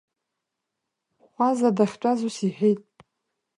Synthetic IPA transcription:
χʷazadaχʲt͡ʃʷʼazusiħijtʼ

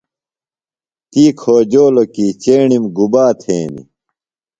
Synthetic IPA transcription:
t̪iːkʰoːd͡ʑoːlokiːt͡ɕeːɳimɡubaːt̪ʰeːnḭ

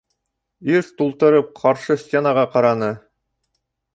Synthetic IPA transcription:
iɾt̪ulˠt̪ɤ̆ɾɤp̚qʰɑɾʃɤsʲtʲenɑʁɑqɑɾɑnɤ

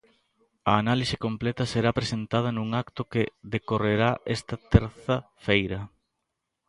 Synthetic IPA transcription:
ɐːnalisɪ̥komplɛt̪ɐseɾapɾesent̪að̞ɐnũŋakt̪ʊkeðekoreɾaʔɛst̪ɐt̪ɛɾθɐfejɾɐ

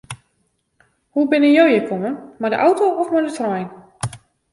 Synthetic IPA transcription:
hubɪnənjowjəkʰɔmənmadə̰ʔawtowʔɔfmaɹdətrɔjn

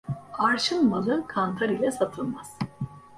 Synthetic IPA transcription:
aɾʃɯnmalˠɯkʰant̪ʰaɾilʲɛsat̪ʰɯlˠmaz̥

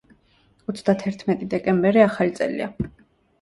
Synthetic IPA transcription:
ɔt̪sʰd̪at̪ʰɛɾt̪ʰmɛt̪ʼid̪ɛkʼɛmbɛɾiaχalit̪sʼɛ̰lḭa̰

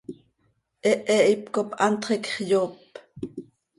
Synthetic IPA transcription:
ʔɛʔɛʔipkopʔɑnt̪χɛkχjoːp

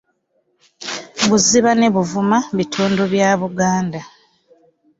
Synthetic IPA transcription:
ɡuziβane̞βuvumaβitʰoːndoβjaːβuɡaːnda

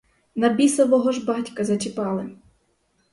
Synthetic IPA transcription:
nɐbʲisɐʋɔɦɔʒbɑtʲkɐzɐt͡ʃɪpɑlˠɪm

